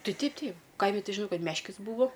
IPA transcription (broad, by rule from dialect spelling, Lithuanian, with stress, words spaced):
ˈtɐɪ ˈtʲɛɪp ˈtʲɛɪp ˈkɐɪmʲɪ ˈtʲɪ ʒʲɪˈnɐʊ ˈkɐt ˈmʲæːʃʲkʲɪs ˈbuːʋoː